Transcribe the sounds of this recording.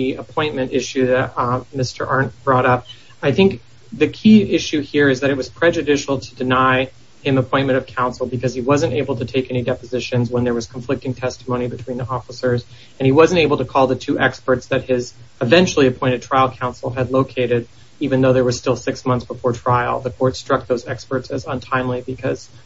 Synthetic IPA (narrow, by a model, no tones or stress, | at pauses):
iəpʰɔ̃ɪ̃nmɨ̃ntɪʃʉðɨt̚mɪstə̰˞ʔɑɹnb̥ɹɔɾʌp̚ | aɪθɪ̃ŋk̚ | ðɨkʰiʔɪʃʉhiɹɨzðɨɾɨt̚wʌz̥pʰɹ̥ɛd͡ʒɨdɪʃl̩ˠtʰɨdɨnaɪ | hɨ̃məpʰɔ̃ɪ̃nmɨ̃ɾ̃ʌv̥kʰãʊ̃nsl̩ˠbɨkʰʌz̥iwʌzɨ̃nteɪbl̩ˠtʰɨtʰeɪkɛñidɛpɨzɪʃɨ̃nzwə̃nðə˞wʌz̥kʰɱflɪk̚tɪ̃ŋtʰɛstəmõʊñibɨtʰw̥ĩnðiɔfəsə˞z | ɨ̃niwʌzɨ̃nteɪbl̩ˠtɨkʰɔlˠðɨtʰʉʔɛkspə˞tsðɨt̚hɪzɨvɛ̃nt͡ʃl̩ˠiɨpʰɔ̃ɪ̃ɾ̃ɨd̚tʰɹ̥aɪlˠkʰãʊ̃nsl̩ˠɨdˡloʊkʰeɪɾɪɾ | ivɨ̃nðoʊðə˞wʌz̥stɪlˠsɪksmʌ̃nθsb̥əfɔɹtʰɹ̥aɪl̩ˠðəkʰɔɹtstɹ̥ʌk̚ðoʊzɛkspə˞tsɨzə̃ntʰãɪ̃mlibɨkʰʌz̥